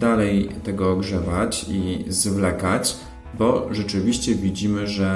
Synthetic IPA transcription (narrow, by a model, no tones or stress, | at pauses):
d̪alɛjt̪ɛɡɔːɡʐɛvat͡ɕizvlɛkat͡ɕ | bɔʐɛt͡ʂɘvʲiɕt͡ɕɛvʲid͡ʑimɘʐɛ